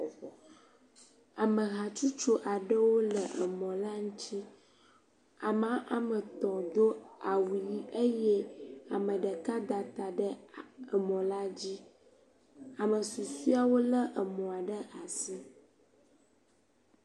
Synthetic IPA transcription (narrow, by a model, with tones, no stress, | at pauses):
a˨mə̃˨ɣa˨t͡ʃu˦t͡ʃo˦ʔa˨ɖə˦wo˦lə˨ʔə˨mɔ̃˨la˦ŋũ˦t͡ɕi˦ | a˨mã˦ʔa˨mə˨t̪ɔ̃˨d̪o˦a˨wu˨ji˦ʔe˦jɛ˦a˨mə̃˨ɖə˨ka˦d̪a˨t̪a˨ɖə˦ə˨mɔ̃˨la˦d͡ʑi˦ | a˨mə̃˨su˨su˦a˨wo˦lə˦ʔə˨mɔ̃˨a˨ɖə˦ʔa˨si˦